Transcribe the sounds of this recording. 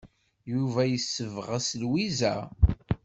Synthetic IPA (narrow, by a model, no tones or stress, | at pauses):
juvæjəsːəvʁaslwizæ